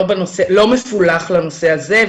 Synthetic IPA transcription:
obanoselo̞mefulaχlanoseazev

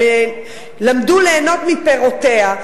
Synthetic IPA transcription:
e | lamd̪uleːno̞t̪mipeʁot̪eha

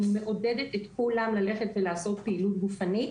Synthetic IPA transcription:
me̞ʔo̞de̞det̪et̪kulamlale̞χe̞tvelaːso̞t̪̚peilut̪̚ɡufani

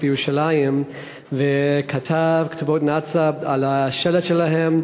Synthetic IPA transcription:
bjeʁuʃalajim | vekʰatʰavktubotnat͡sabalaʃeletʃelaɦem

